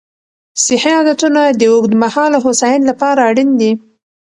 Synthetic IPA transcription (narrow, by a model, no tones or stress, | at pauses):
sɪheɑd̪at̪unad̪əʊɡd̪mahɑlaɦosɑjɪnlapɑɾaːɽind̪i